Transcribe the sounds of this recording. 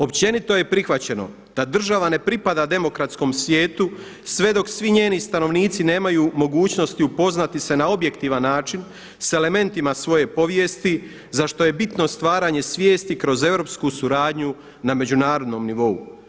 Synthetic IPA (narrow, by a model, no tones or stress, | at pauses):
o̞pt͡ɕe̞nit̪o̞je̞pɾixʋat͡ɕe̞no̰ | d̪̥ad̪r̩ʒaʋane̞pɾipad̪ad̪e̞mo̞kɾat̪sko̞msʋjeːt̪u | sʋe̞d̪o̞ksʋiɲe̞ːnist̪ano̞ʋniːt̪sine̞ːmajuːmo̞ɡuːt͡ɕno̞st̪iupo̞znat̪ise̞naobje̞kt̪iʋanːaːt͡ʃin | se̞le̞me̞nt̪imasʋo̞je̞po̞ʋje̞ːst̪i | zaʃt̪o̞je̞bit̪no̞st̪ʋaːɾaːɲe̞sʋjeːst̪ikɾo̞ze̞vɾo̞ːpskusuɾaːd̪ɲu | name̞d͡ʑunaːɾo̞d̪no̞mniʋo̞ṵ